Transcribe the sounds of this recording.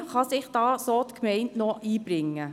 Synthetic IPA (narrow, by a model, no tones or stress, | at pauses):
χɑsɪχd̥ɑːsoːt̪kʰmɛɪntnɔʔiːb̥ɾɪŋːə